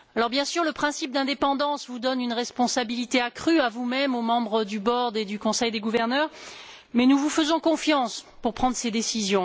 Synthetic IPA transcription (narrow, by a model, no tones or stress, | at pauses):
alɔʁbjɛ̃syʁləpχɛ̃sip̚d̪ɛ̃d̪epɑ̃d̪ɑ̃svud̪ɔnynʁɛspɔ̃sabilit̪eakχyavumɛmomɑ̃bʁəd̪ybɔʁd̪ed̪ykɔ̃sɛjd̪eɡuvɛʁnœʁ | mɛnuvufəzɔ̃kɔ̃fjɑ̃spuʁpχɑ̃d̪ʁəsed̪esizjɔ̃